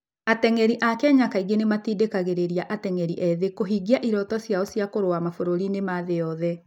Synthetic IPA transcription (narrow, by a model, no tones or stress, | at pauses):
atɛŋɛɾiʔakɛɲakaiɡenematiːdekaɣeɾeɾiaʔatɛŋɛɾiʔɛðekoɦiɡiaʔiɾɔtɔsjaosjakoɾowamafoɾoɾinemaðejɔðɛ